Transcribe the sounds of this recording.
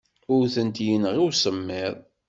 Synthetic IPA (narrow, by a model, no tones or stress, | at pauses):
ʊɾθənt̪jənʁiwsəmːɪðˤ